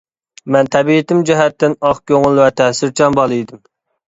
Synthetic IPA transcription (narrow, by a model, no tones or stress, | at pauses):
mɛnt̪ʰɛbiɪt̪ɪmd͡ʒɛɦɛt̪ːɪnɑχkʲøŋʊlˠwɛt̪ʰɛsɪɾt͡ʃʰɑnbɑlˠɨjd̪ɪm